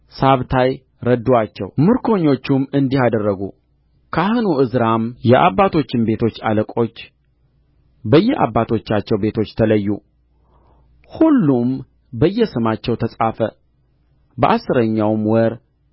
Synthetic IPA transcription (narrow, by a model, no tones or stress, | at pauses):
saβt̪ʰaj | ɾəd̪uwat͡ʃːɛwmɨɾkʰo̞ɲːo̞t͡ʃːumɨnd̪ihad̪ərːəɡu | kʰahɨnuʔɨzɾamjɛʔa̰bːat̪ʰo̞t͡ʃːɪmbe̞t̪ʰo̞t͡ʃːaləkʼo̞t͡ʃː | bəjːɛʔa̰bːat̪ʰo̞t͡ʃːat͡ʃːɛwbe̞t̪ʰo̞t͡ʃːt̪ʰələjːu | hulːum | bəjːɛsɨmat͡ʃːɛwt̪ʰəsʼafə | bəʔasːɨɾəɲːawmwɔɾ